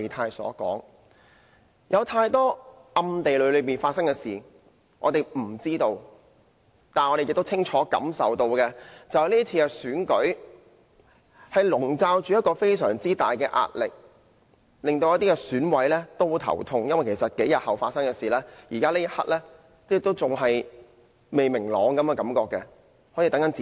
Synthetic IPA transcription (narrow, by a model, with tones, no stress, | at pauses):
t̪ʰaː˧jsɔ̰ː˨˥kɔ̰ː˨˥ŋ | jɐ˨˧wt̪ʰaː˧jt̪ɔː˥ɐ˧mt̪e˨jlɵ˨˧ɥlɵ˨˧ɥpiː˨nfaː˧t̚sɐ˥ŋkɛː˧siː˨ | ŋʔɔ̰˨˧t̪e˨jm̩˨˩t͡siː˥t̪o˧w | t̪aː˨nɔ˨˧ɾe˨jɪ˨k̚t̪o˥wt͡sʰɪ˥ŋt͡ʃʰɔː˨˥kɐ̰˨˥msɐ̰˨wt̪o˧wkɛː˧t͡sɐ˨whɐ˨jliː˥t͡sʰiː˧kɛ˧syː˨˥nkɵ˨˥ɥ | hɐ˨jlʊ˨˩ŋt͡saː˧wt͡ʃyː˨jɐ˥t̚kɔː˧fe˥jsœ̰ː˨˩ŋt͡siː˥t̪aː˨jkɛː˧ʔa̰ː˧t̚lɪ˨k̚ | lɪ˨ŋt̪o˧wjɐ˥t̪i˥kɛ˧syː˨˥nwɐ˨˥jlɛː˥t̪o˥wt̪ʰɐ̰˨˩wt̪ʰʊ˧ŋjɐ˥nwɐ˨jkʰe˨˩sɐ˨t̚ke˨˥jɐ˨t̚hɐ˨wfaː˧tsɐ˥ŋkɛ˧siː˨˩lɛː˥jiː˨˩kaː˥liː˥jɐ˥hɐ̰˥t̚lɛː˥ | t͡sɛː˥˩t̪o˥wt͡sʊ˨ŋɦɐ˨j | me˨jmɪ˨˩ŋlɔː˨˧˥ŋkɐ˨˦mɛ˧kɐ˨˥mkɔː˧kːɛ˧ | hɔː˨˥ji˨˧t̪ɐ˨˥ŋkɐ˨˥nt͡sː